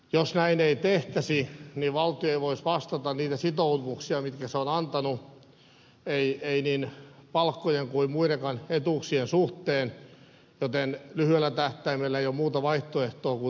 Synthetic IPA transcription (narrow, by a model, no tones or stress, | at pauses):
josnæineit̪eht̪æsiniʋɑlt̪ioeiʋoisʋɑst̪ɑt̪ɑnniːt̪æsit̪ouʋuksiɑmit̪kæseonɑnt̪ɑnu | eieiniːnpɑlkːojeŋkuimmuirekɑnet̪uksiensuht̪eːn | jot̪enlyhyelːæt̪æht̪æimelːæeiomuːt̪ɑʋɑiht̪oeht̪oːku